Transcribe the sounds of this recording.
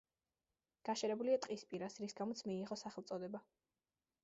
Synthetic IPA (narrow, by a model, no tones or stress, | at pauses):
ɡ̥aʃɛɾɛbuliat̪ʼqʼispʼiɾasɾisɡamɔt̪sʰmiːʁɔsaχɛlˠt̪sʼɔd̪ɛba